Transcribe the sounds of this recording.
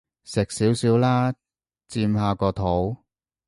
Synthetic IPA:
sɪ˨k̚siː˨˥wsiː˨˥wlaː˥ | t͡siː˧mhaː˧kɔː˧t̪ʰo˨˥w

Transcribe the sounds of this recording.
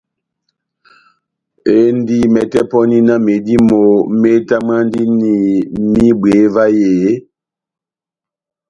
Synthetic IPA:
e˦n˦di˦mɛ˨tɛ˦pɔ˦ni˦na˦me˨di˦mo˨me˦ta˦ma˦n˦di˦ni˨mi˦bwe˨˦va˦jeː˨˦

